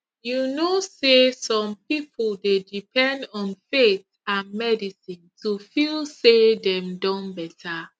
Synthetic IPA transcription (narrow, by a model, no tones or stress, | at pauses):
junosesɔ̃mpipʰldedipʰɛ̃ndɔ̃nfet | ãnmɛdisĩntʰufilsedɛ̃mdɔ̃nbɛtʰa